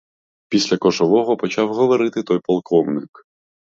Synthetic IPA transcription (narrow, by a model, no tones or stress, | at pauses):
pʲisʲlʲɐkɔʒɔʋɔɦɔpɔt͡ʃɑwɦɔʋɔɾɪt̪ɪt̪ɔjpɔlˠkɔmnɪk